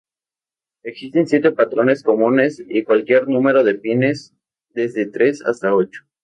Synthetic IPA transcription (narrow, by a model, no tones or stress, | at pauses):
eksist̪e̞nsje̞t̪e̞pat̪ɾo̞ne̞sko̞mũne̞sikwalkje̞ɾnũme̞ɾo̞ðe̞pine̞s | d̪e̞zðe̞t̪ɾe̞sa̰st̪ao̞t͡ʃo̥